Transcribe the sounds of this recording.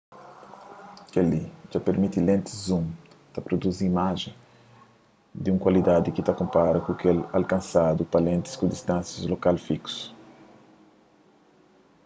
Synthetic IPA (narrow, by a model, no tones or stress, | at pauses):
kelid͡ʒapeɾmit̪ilẽnt̪ɪ̥zũm | t̪ɐpɾod̪uziimaʒẽ | d̪iũŋkwalid̪ad̪ikit̪akõmpaɾɐkũkelalkãnsad̪upɐlẽnt̪i̥skod̪ist̪ãnsjɐzlokalfiku̥s